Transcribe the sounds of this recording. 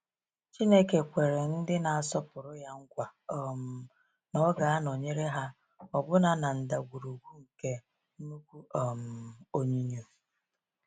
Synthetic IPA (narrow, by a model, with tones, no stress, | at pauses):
t͡ʃi˦ne˦ke˨kʷe˨ɾe˨n̩˦dɪ˦na˨a˨sɔ˦pʊ˨ɾʊ˦ja˦ŋ̩˦kʷa˨ɔ˨m˨ | nɔ˦ɡa˨a˦nɔ˨ɲe˦ɾe˦ɦa˦ | ɔ˨bʊ˦na˨na˨n̩˨da˨ɡʷu˨ɾu˨ɡʷu˦ŋ̩˨ke˦ | mu˦kʷu˦ɔ˨m̩˨o˦ɲi˦ɲo˨